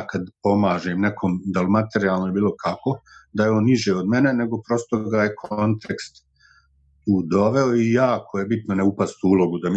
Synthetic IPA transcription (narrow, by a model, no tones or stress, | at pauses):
kad̪po̞maːʒeːmnekʰomd̪almat̪e̞ɾijaːlˠnojebiːlˠo̞kʰako̞d̪ajeo̞ːnːiʒeːod̪me̞ne̞ne̞ɡo̞pɾo̞st̪oɡaje̞kʰont̪ʰekst̪ | t̪uːd̪o̞ʋe̞oijaːkʰo̞je̞bit̪noneupast̪uːlˠo̞ɡud̪am